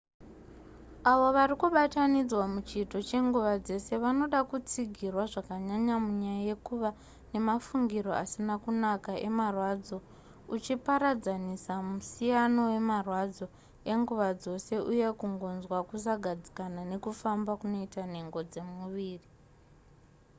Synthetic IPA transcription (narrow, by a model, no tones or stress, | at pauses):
aʋo̞ʋarikuɓatanid͡zwamut͡ʃito̞t͡ʃe̞ŋɡuʋad͡ze̞se̞ʋano̞ɗakut͡siɡʱirwaʐakaɲaɲamuɲajaje̞kuʋa | ne̞mafuŋɡiɾo̞a̰sinakunakaʔe̞̰marwad͡zo̞ | ut͡ʃipaɾad͡zanisamusijano̞we̞marwad͡zo̞ | e̞ŋɡuʋad͡zo̞se̞ʔuje̞kuŋɡo̞nzwakus̬aɡʱad͡zi̥kanane̞kufambakuno̞itane̞ŋɡo̞d͡ze̞muʋiːri